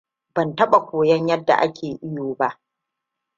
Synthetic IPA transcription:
bɐ˨ntɐ˦ɓa˨kʷoː˨jɐ˦ɲjɐ˦dːa̰˨ʔa̰˦kʲʰeː˨ʔɪ˦joː˨ba˦ʔ

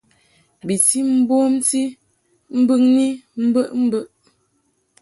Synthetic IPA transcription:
bi˨ti˦m̩˦bo˦mti˦ | m̩˦bɨ˦˨ŋni˦m̩˦bə˦ʔm̩˦bə˦ʔ

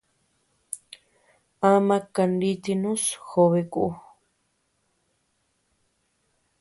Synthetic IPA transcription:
a˦mã˧ka˧nɖi˧t̪i˧nũ˦sxo˧βe˧kuʔu˧

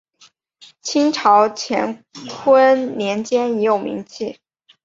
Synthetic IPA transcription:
t͡ɕʰi˥ŋʈ͡ʂʰɑ˧˥ʊt͡ɕʰjɛ̰˧˥nkʰwə˥nnjɛ˧˥nt͡ɕjɛ˥ni˧˥jo˨˩ʊmḭ˧˥ŋt͡ɕʰi˥˩

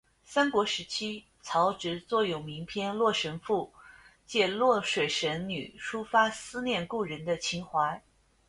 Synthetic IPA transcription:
sa˥nkwɔ˧˥ʂɻ̩˧˥t͡ɕʰi˥ | t͡sʰɑ˧˥ʊʈ͡ʂɻ̩˧˥t͡swɔ˥˩jo˨˩ʊmi˧˥ŋpʰjɛ˥nlwɔ˥˩ʂə˧˥nfu˥˩t͡ɕjɛ˥˧lwɔ˥˩ʂwe˨˩ɪʂə˧˥nny˨˩ʂʰu˥fa˥sɹ̩˥njɛ˥˧nku˥˩ɻə˧˥nd̪ə˧t͡ɕʰi˧˥ŋxwa˧˥ɪ

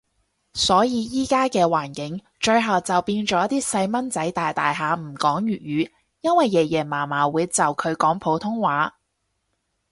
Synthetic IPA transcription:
sɔː˨˥jiː˨˧jiː˥kaː˥kɛː˧waː˨˩nkɪ˨˥ŋ | t͡ʃɵ˧ɥɦɐ˨wt͡sɐ˨wpiː˧nt͡ʃɔː˨˥t̪iː˥sɐ˧jmɐ˥nt͡sɐ˨˥jt̪aː˨jt̪aː˨jɦaː˨˧m̩˨˩kɔː˨˥ŋjyː˨˩t̚jyː˨˧ | jɐ˥nwɐ˨jːɛː˨˩jɛː˨˩maː˨˩maː˨˩wuː˨˧jt͡sɐ˨wkʰɵ˨˧ɥkɔː˨˥ŋpʰo˨˥wt̪ʰʊ˥ŋwaː˨˧˥

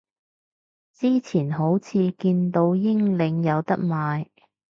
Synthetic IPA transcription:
t͡siː˥t͡sʰiː˨˩nɦo˨˥wt͡sʰiː˨˧kiː˧nt̪o˧wjɪ˥ŋlɪ˨˧ŋjɐ˨˧wt̪ɐ̰˥k̚maː˨˧j

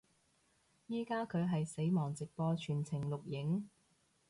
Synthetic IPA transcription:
jiː˥kaː˥kʰɵ˨˧ɥɦɐ˨jse˨˥jmɔː˨˩ŋt͡sɪ˨k̚pɔː˧t͡ʃʰyː˨˩nt͡sʰɪ˨˩ŋlʊ˨k̚jɪ˨˥ŋ

